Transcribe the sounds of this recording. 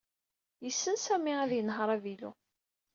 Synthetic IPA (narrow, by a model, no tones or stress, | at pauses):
jəsːənsæmiæðjənɦəɾˤævilṵ